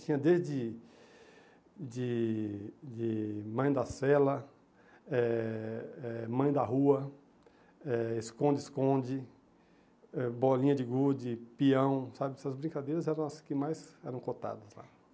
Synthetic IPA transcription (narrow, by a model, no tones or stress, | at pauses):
t͡ʃĩɲɐd̪ezd͡ʒɪ | d͡ʒɪ | d͡ʒɪmɐ̃j̃d̪ɐsɛlɐ | ɛ | ɛmɐ̃j̃d̪ɐɦuɐ | ɛɪskõd͡ʒɪɪskõd͡ʒɪ | ɛbɔlĩɲɐd͡ʒɪɡud͡ʒɪpiɐ̃w̃sabɪsɐzbɾĩkad̪ejɾɐzɛɾɐ̃w̃ɐskɪmajsɛɾɐ̃w̃kot̪a̰d̪ɐsla̰